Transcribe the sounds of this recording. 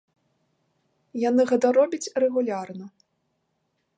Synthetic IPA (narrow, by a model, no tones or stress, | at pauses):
janɨɣɛt̪ɐɾɔbʲɐt͡sʲrɛɣulʲarnɐ